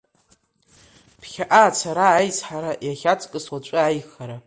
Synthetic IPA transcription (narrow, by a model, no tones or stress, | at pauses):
pʰχʲaʔaːt͡sʰaɾaːjt͡sħaɾajaχʲat͡sʼkʼɨswat͡ʃʷʼɨajχaɾa